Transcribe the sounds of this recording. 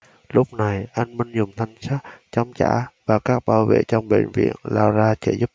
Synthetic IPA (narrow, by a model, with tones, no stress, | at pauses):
lʊ˦˥k͡p̚na˨˩jʔa˧jŋ̟mi˧ŋ̟zʊ˨˩ŋ͡mt̪ʰa˧jŋ̟saː˦˥t̚t͡ɕɔ˧wŋ͡mt͡ɕa̰ː˧˩˥vaː˨˩kaː˦˥k̚ɓaː˧wvḛ˧˨t͡ɕɔ˧wŋ͡mɓḛ˧˨nvḭ˧˨ənlaː˧wzaː˧t͡ɕe˧˩zu˦˥p̚